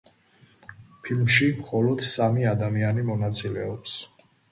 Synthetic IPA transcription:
pʰilmʃimχɔlɔd̪̥samiad̪amianimɔnat̪sʼilɛɔps

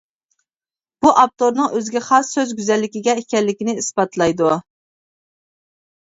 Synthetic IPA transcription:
b̥uʔɑp̚t̪oɾnɨŋʔøzɡʲɛχɑsːøzɡʲyzɛlːɪkʲiɡʲɛekʲɛlːɪkʲinɪisbɑt̪lˠɑjd̪u

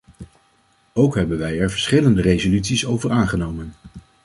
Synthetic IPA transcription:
owkɦɛbənʋɛjɛɹvəɹsχɪləndərejzolytsisowvəɹaːnχənowmən

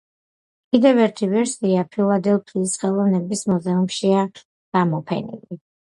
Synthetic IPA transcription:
kʼid̪ɛvɛɾt̪ʰivɛɾsiapʰilˠad̪ɛlˠpʰliːsχɛlˠɔvnɛbismuzɛumʃia | ɡ̥amɔpʰɛ̰nḭli

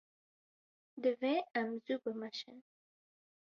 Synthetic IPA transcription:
d̪əveãmzubəmaʃɪ̰n

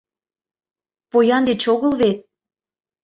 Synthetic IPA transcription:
pojɑnd̪et͡ɕoɣəlβet̪̚

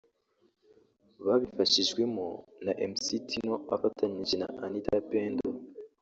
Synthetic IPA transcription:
βaβifaʃiʒɡwe̞monaʔemsitʰino̞a̰fatʰaɲiʒena̰anita̰peːndo

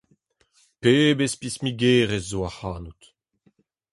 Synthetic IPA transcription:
peːbespismiɡeːʁezzoahaːnut̪

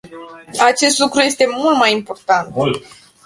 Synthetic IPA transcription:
at͡ʃe̞st̪lukɾuje̞st̪e̞mult̪majimpo̞rt̪ant̪

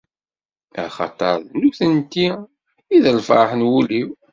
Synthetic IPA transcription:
æ̰χɑ̰t̪ˤːɑ̰ɾˤðnuθənt̪ːi | iðəlfɑħənwuliw

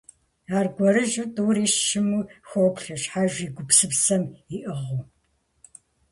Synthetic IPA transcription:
aːrɡʷɔɾɨʒɨtʼuːɾiːʃɪmuxʷoːpɬɐɕħaʒiːɡʷʊpsɨpsɐmiʔɨʁʊ

